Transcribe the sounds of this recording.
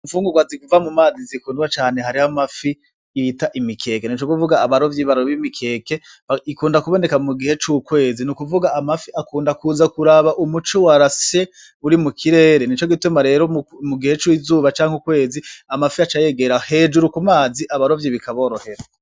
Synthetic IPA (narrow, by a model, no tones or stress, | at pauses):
uɱfuːŋɡuɡwazikuvamumaːzizikuːnwat͡ʃaːne̞ɦaɾihamafi | itaʔimikʰe̞ːke̞nit͡ʃokuvuɡaːβaɾo̞vjiβaɾoβimikʰe̞ːke̞ | aikuːndakuβo̞ne̞kamuɡihe̞t͡ʃuːkwe̞ːzinukuvuɡaːmafiakuːndakuːzakuɾaβaʔumut͡ʃowaɾase̞ | uɾimukʰiɾe̞ːɾenit͡ʃo̞ɡitumaɾe̞ːɾo̞muɡihe̞t͡ʃwizuːβat͡ʃaːŋ̥ukwe̞ːziamafiat͡ʃaje̞ɡe̞ɾahe̞ːd͡ʒuɾukumaːziʔaβaɾo̞vjiβikʰaβo̞ːɾohe̞ɾa